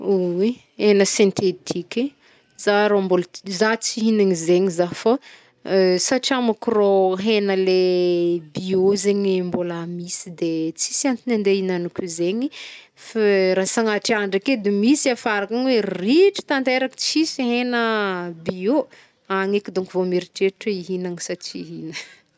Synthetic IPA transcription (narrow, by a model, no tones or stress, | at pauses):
uwi | enəsint̪ʰet̪ʰiki | z̥aɾombolzat͡siɦinaŋizeɲizafo | saʈ͡ʂiamakiroɦenəle | biozeɲimbolamisid̪et͡si̥siant̪inand̪einanukʲuzeɲi | faɾasaŋaʈ͡ʂiaɳɖ͡ʐaked̪emisiafaɾakaŋweriʈ͡ʂi̥t̪ant̪eɾaki̥t͡sisiɦenəbio | aŋekid̪oŋkivomeɾiʈ͡ʂeʈ͡ʂəiɦinaŋisat͡ʃiɦinə